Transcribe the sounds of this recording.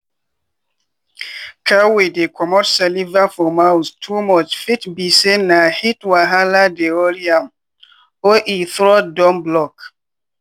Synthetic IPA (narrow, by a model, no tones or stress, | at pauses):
kʰawidekʰɔmɔtsalivafɔmawstʰumɔt͡ʃfitbisenːahitwaɦaladeoɾiam | oʔiθɾɔdɔ̃mblɔk